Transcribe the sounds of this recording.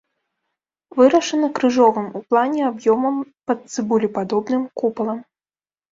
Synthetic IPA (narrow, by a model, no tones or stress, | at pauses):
vɨɾɐʂɐnɐkɾɨʐɔvɨmuplˠanʲɛabjɔmɐmpɐt̪sɨbulʲipad̪ɔbnɨmkupɐlˠɐm